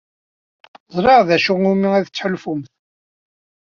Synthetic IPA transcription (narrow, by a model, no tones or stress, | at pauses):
zˤɾˤiʁðæʃuʁumiæðt͡sːħəlfumθ